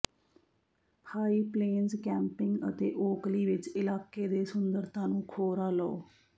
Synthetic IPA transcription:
pʰaːiːpleːnzkɛ̃ːmpɪŋɡə̰t̪ḛːʔoːkliːʋɪt͡ʃɪlaːkeːd̪eːsʊnd̪əɾt̪ãːnũːkʰoːɾaːlɔo̰ː

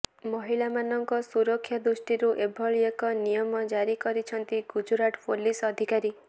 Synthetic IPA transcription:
mɔɦiɭamanɔŋkɔsuɾɔkʰːjad̪usʈiɾuʔebʱɔɭiekɔnijɔmɔd͡ʒaɾikɔɾit͡ʃʰɔnt̪iɡud͡ʒuɾaʈʰpʰolisɔd̪ʱikaɾi

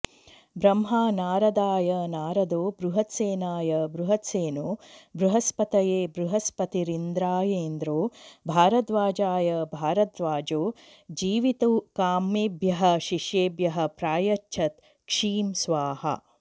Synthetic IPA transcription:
bɾɐmɦaːnaːɾɐd̪aːjɐnaːɾɐd̪oːbɾuɦɐt̪seːnaːjɐbɾuɦɐt̪seːnoːbɾuɦɐspɐt̪ɐjeːbɾuɦɐspɐt̪iɾind̪ɾaːjeːnd̪ɾoːbʱaːɾɐt̪ʋaːd͡ʒaːjɐbʱaːɾɐt̪ʋaːd͡ʒoː | d͡ʒiːʋit̪ukaːmibjɐɦɐ̆ʃiʂjeːbjɐɦɐ̆pɾaːjɐt͡ʃʃʰɐt̪ | kʂiːmsʋaːhɐ̰

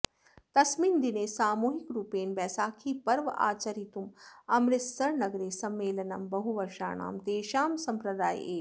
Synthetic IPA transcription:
t̪ɐsmiːnd̪ineːsaːmuːɦikɾuːpeːnbɛːsaːkʰiːpɐɾʋɐʔa̰ːt͡ʃɐɾit̪umɐmɾɪt̪sɐɾnɐɡɾeːsɐmːeːlɐnɐmbɐɦuʋɐɾʃa̰ːɳa̰ːmt̪eːʃaːmsɐmpɾɐd̪aːjeː

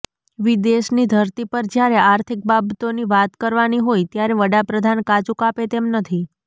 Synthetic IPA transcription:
ʋid̪eʃnid̪ʱəɾt̪ipəɾd͡ʒjaɾeʔaɾt̪ʰik̚babt̪oniʋat̪kəɾʋaniɦojt̪jaɾeʋəɽapɾəd̪ʱankat͡ʃukapet̪emnət̪ʰi

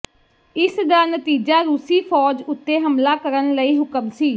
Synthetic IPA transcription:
ɪsd̪aːnət̪iːd͡ʒaːɾuːsiːpʰɔːd͡ʒʊt̪ːeːɦəmlaːkəɾənləiːɦʊkəmsiː

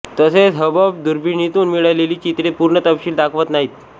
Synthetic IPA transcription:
t̪əset͡sɦəbəb̚d̪uɾbʱiɳit̪uːnmiɭajleliːt͡ɕit̪ɽepuɾɳət̪əpɕiːld̪akʰʋət̪naɦiːt̪

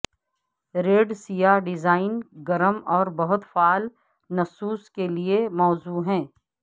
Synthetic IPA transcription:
ɾeːɖsijaːɖɪzaːɪnɡɐɾəmɔːɾbɐɦʊt̪faːl | nɐsuːskeliemɔːzuːɦɛ̃ː

